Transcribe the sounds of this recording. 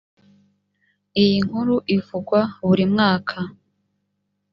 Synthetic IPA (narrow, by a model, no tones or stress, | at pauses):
ijiŋ̥huɾuʔivuɡwaβuɾimŋaːkʰa